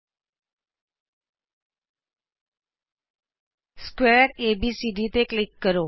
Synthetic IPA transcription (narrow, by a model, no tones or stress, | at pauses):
skwɛɾebisiɖit̪eklɪkːəɾo